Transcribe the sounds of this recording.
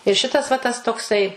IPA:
ɪr ˈʃʲɪtɐs ʋɐ tɐs toːkˈsɐɪ

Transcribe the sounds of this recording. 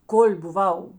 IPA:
koːlʲ bʊˈʋɐʊ

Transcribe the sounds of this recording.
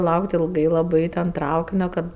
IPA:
ˈlˠɐʊkt ɪlˠˈɡɐɪ lˠɐˈbɐɪ tʲɛn ˈtrɐʊkʲɪnʲoː ˈkɐt

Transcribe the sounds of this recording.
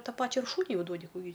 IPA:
ˈtɑː ˈpɑːt͡ʃʲɛ ɪr ˈʃuːnʲʊɪ ˈjɛʊ ˈduɔdʲɪ ˈkuː ɡʲɪ

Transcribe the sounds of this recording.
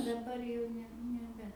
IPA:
dɐˈbɐr jɛʊ ˈnʲɛ nʲɛˈbʲɛ

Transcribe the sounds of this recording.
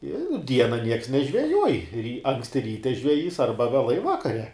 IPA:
ɪ ˈdʲiɛnɐ nʲiɛks nʲɛʒʲʋʲɛˈjuɔj rʲiː ˈɐŋksʲtʲɪ ˈrʲiːtʲɛ ʒʲʋʲɛˈjiːs ˈɐrbɐ ʋʲɛˈlˠɐɪ ˈʋɑːkɐrʲɛ

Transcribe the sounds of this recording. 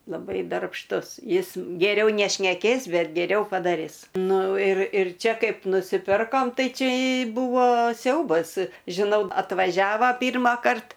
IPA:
lˠɐˈbɐɪ dɐrpʃˈtʊs ˈjɪs ɡʲɛˈrʲɛʊ nʲɛʃʲnʲɛˈkʲeːs ˈbʲɛt ɡʲɛˈrʲɛʊ pɐdɐˈrʲɪs ˈnʊ ɪr ɪr ˈt͡ʃʲɛ ˈkɐɪp nʊsʲɪˈpʲɪrkoːm ˈtɐɪ ˈt͡ʃʲɛ ˈbuːʋoː ˈsʲɛʊbɐs ʒʲɪˈnɐʊ ɐtʋɐˈʒʲæːʋɐ ˈpʲiːrmɑːkɐrt

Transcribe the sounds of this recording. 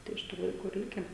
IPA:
tɐɪ ɪʃ ˈtuː lˠɐɪˈkuː ɪr ˈlʲɪkʲɛ

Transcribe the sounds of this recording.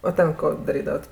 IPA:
oː ˈtʲɛn ˈkoː dɐˈrʲiːdɐʋɐt

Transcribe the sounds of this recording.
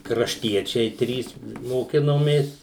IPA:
krɐʃʲˈtʲiɛt͡ʃʲɛɪ ˈtʲrʲiːs moːˈkʲɪnoːmʲeːs

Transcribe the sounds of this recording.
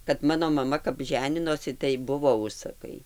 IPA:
kɐt ˈmɑːnoː mɐˈmɐ kɐp ˈʒʲæːnʲɪnoːsʲɪ tɐɪ ˈbʊʋoː ˈʊʃsɐkɐɪ

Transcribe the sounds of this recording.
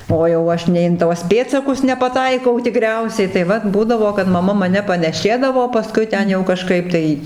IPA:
oː jɛʊ ˈɐʃ nʲɛɪ ɪn ˈtuɔs ˈpʲeːtsɐkʊs nʲɛpɐˈtɐɪkɐʊ tʲɪˈkrʲɛʊsʲɛɪ tɐɪ ˈʋɐt ˈbuːdɐʋoː kɐt mɐˈmɐ mɐˈnʲɛ pɐnʲɛˈʃʲeːdɐʋoː pɐˈskʊɪ ˈtʲɛn jɛʊ kɐˈʃkɐɪp tɐɪ

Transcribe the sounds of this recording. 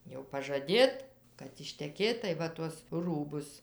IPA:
jɛʊ pɐʒɐˈdʲeːt kɐt ɪʃʲtʲɛˈkʲeːt tɐɪ ˈʋɐ tuɔs ˈruːbʊs

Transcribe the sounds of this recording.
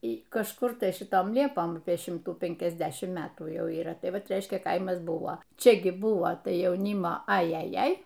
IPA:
iː kɐʃˈkʊr tɐɪ ʃʲɪˈtoːm ˈlʲiɛpoːm ˈɑːpʲiɛ ʃʲɪmtuː pʲɛŋʲkʲɛzʲˈdʲæːʃʲɪm ˈmʲæːtuː ˈjɛʊ iːˈrɐ ˈtɐɪ ˈʋɐt ˈrʲɛɪʃʲkʲɛ ˈkɐɪmɐs ˈbʊʋoː ˈt͡ʃʲɛ ɡʲɪ ˈbʊʋoː ˈtɐɪ jɛʊˈnʲiːmoː ɐjɛˈjɛɪ

